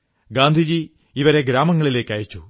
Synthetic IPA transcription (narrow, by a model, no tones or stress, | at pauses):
ɡaːnd̪ʱid͡ʑi | iʋɐɾe̞ɡɾaːmɐŋːɐɭile̞ːkːaːjit͡ɕːu